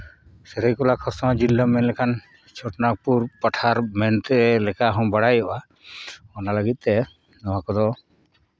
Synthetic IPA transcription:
sɛɾɛjkɔlakʰɔɾsɔwad͡ʒilːamɛnlɛkʰan | t͡ʃʰɔʈnak̚puɾpaʈʰaɾmɛnt̪ɛɛlɛkaɦɔ̃baɽajɔʔa | ɔnaləɡit̪̚ˀt̪ɛ | nɔwakɔd̪ɔ

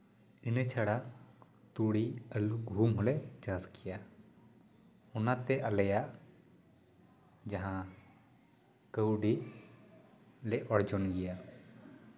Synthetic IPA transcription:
inət͡ʃʰaɽaʔ | t̪uɽiəluɡʱumɦɔlɛd͡ʒaskʰɛja | ɔnat̪ɛʔaləjaʔ | d͡ʒaɦã | kəwɖiʔ | lɛʔɔɽd͡ʒɔnɡɛja

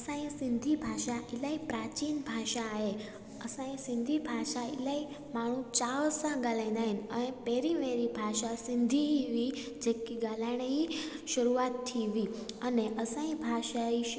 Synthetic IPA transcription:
əsãĩsĩnd̪ʱibʱaʃaʔilaipɾat͡ɕiːnbʱaʃaːɦe | əsãĩsĩnd̪ʱibʱaʃaḭlai | maɽ̤̃ũt͡ɕaʋsãɡalãnd̪ainəñepeɾiʋeɾibʱaʃasind̪ʱiɦiʋi | d͡ʑekːiɡalaɽ̃eiʃəɾuat̪tʰːiʋiəneʔəsãĩbʱaʃai

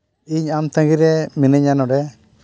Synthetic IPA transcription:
iɲamt̪ãɡiɾɛminɛɲanɔɖɛ

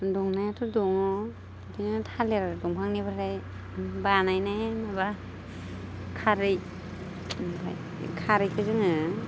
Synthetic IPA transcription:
duŋnatʰuduŋɔ | tʰintʰaleɾaɾduŋpʰaŋnibaɾaj | banajnamaba | kʰaɾɯj | pʰaj | kʰaɾɯjkʰɯzɯŋɯ

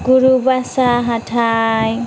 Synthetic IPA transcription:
ɡuɾubasaɦatʰaj

